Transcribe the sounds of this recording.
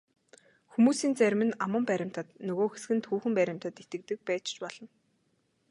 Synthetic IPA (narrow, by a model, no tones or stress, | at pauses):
xumuːsiːnt͡sæɾʲmɘ̆namə̆mpæɾʲɪ̆m̥t̪ə̆t̪nɵɣoːxes̆ɘ̆nt̪ʰuːxɘ̆mpæɾʲɪ̆m̥t̪ə̆t̪et̪ɘ̆kt̪ɘ̆k̚pæːt͡ɕt͡ɕpɔɮ̥ɞ̆n